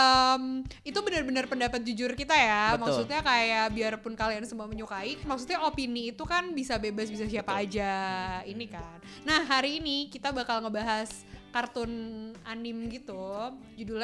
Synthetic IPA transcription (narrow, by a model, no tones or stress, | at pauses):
ʔəmit̪ubənərbənarpəndapat̪̚d͡ʒud͡ʒʊrkit̪ajamaksut̪̚ɲakajaʔbiarpʊnkaliansəmuaməɲukaimaksut̪ɲaopiniːt̪ukanbisabebasbisasiapaːd͡ʒainikanːahɦaɾiːnikit̪abakalŋəbaɦas | kart̪ʊnanɪmɡit̪ud͡ʒudul